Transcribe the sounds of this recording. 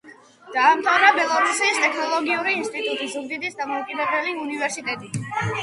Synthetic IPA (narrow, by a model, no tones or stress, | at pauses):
d̪̥aːmt̪ʰavnabɛlˠɔɾusist̪ʼɛkʰnɔlˠɔɡiuɾiːnst̪ʼit̪ʼut̪ʼizuɡ̚d̪id̪isd̪amɔukʼid̪ɛbɛliunivɛɾsit̪ʼɛt̪ʼi